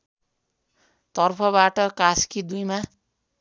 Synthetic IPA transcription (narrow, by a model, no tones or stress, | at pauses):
t̪ʌrpʰʌbaʈʌkaskid̪ujma